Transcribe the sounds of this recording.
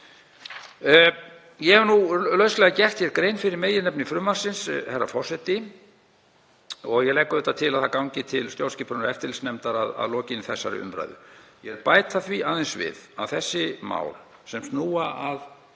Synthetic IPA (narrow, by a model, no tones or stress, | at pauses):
jɛɛvnulœɥslɛɣacɛr̥t̪çɛɾkɾejnfɪɾɪɾmeːjɪɾnɛpnɪfɾʏmaɾ̥sɪnshɛrːa̰fɔr̥sɛt̪ɪ | ɔɣjɛɣlɛjkːʏðɛt̪ːat̪ʰɪlaðθakawɲcɪt̪ʰɪlst̪jowlscɪpʰɾʏnʏɾɛft̪ɪlsnɛmt̪aɾaða̰ðlɔːcɪnɪθɛsːa̰ɾɪ̰ʏ̰mpɾa̰jðʏ̰jɛɾpaːjt̪aθviaːðɛnsvɪ̰ðavθɛsːɪma̰ːwl | sɛmst̪nuːaað